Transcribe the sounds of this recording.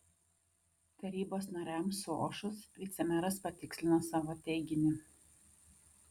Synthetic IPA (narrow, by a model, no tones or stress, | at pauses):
t̪ɐɾʲiːboːsnɐɾʲæˑmsʊo̰ːʃʊsʋʲiːt̪sʲɛmʲɛɾɐspɐt̪ʲɪksʲlʲɪnoːsɑːʋoːt̪ʲɛɪɡʲɪnʲɪ